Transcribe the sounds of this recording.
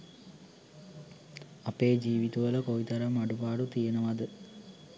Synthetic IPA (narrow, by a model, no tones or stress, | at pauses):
ɐpeːd͡ʑiːʋit̪uʋɐlɐkoit̪ɐɾɐmɐɖupaːɖut̪ijɐnɐʋɐd̪ɨ